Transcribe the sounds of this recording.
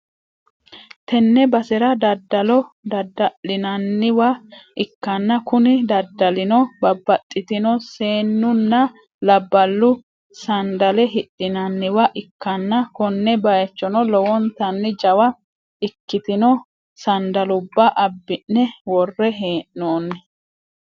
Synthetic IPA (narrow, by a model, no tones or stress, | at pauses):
t̪ɛnːɛbɐsɛɾɐd̪ɐd̪ːɐlɔd̪ɐd̪ːɐlːɪnɐnːɪwɐɪkːɐnːɐkʊnɪd̪ɐd̪ːɐlɪnɔbɐbːɐt̪ʼːɪt̪ɪnɔse̞ːnːʊnːɐ | lɐbːɐlːʊ | sɐnd̪ɐlɛɦɪɗʔːɪnɐnːɪwɐʔɪkːɐnːɐkɔnːɛbɐjɛt͡ʃːɔnɔlɔwɔnt̪ɐnːɪd͡ʒɐwɐ | ɪkːɪt̪ɪnɔ | sɐnd̪ɐlʊbːɐʔɐbːɪnːɛwɔrːɛɦeːʔnoːnːɛ